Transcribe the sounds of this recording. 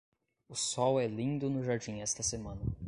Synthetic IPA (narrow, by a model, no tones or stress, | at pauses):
ʊsɔwɛlĩnd̪ʊnʊʒaɾd͡ʒĩɛst̪ɐsemɐ̃nɐ